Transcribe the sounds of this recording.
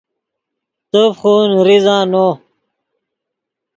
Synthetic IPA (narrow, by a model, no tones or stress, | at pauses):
t̪əfχuːnɾizãːno